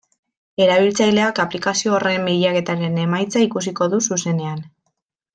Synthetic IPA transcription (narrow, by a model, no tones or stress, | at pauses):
e̞ɾaβ̞ilt͡sajle̞akaplikasio̞ːre̞mbejake̞t̪aɾe̞ne̞majt͡saikusiko̞ðususe̞ne̞an